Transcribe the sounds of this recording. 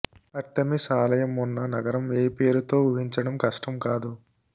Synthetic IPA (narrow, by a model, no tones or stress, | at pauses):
ɐɾt̪ːɐmisaːlɐjɐmunːɐnɐɡɐɾɐmeːpeːɾut̪o̞ːuɦiɲt͡ʃɐɽɐmkɐʂʈɐmkaːd̪u